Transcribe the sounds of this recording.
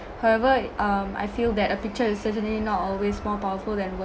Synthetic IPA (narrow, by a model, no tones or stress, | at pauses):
hawɛvəʔʌ̃ma̰jfild̪ɛtəpik̚t͡ʃəɪssətə̃nlinɔtɔlwesmɔpawəfuldɛ̃nwə